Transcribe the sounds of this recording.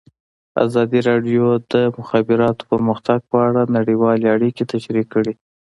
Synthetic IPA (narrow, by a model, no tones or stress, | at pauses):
a̰zɑd̪iɾɑɖjod̪əmʊxabɪɾɑt̪o̥pəɾməxt̪aɡ̚pəaɽanaɽiwɑleaɽiket̪aʃɾikːəɽi